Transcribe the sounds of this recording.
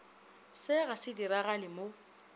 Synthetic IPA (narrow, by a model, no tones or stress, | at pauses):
sɪɣasɪdiɾaɣalɪmo